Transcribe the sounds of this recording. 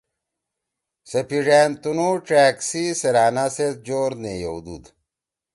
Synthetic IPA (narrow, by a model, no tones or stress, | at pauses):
sepiʐeːnt̪unoʈ͡ʂæːksiseɾaːnaset̪̚d͡ʑoːɾnejowd̪ṵd̪